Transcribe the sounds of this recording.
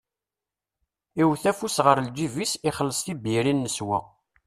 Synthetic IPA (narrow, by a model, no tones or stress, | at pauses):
iwθæfusʁəɾld͡ʒivisiχəlːəsˤθibiɾinːəswæ̰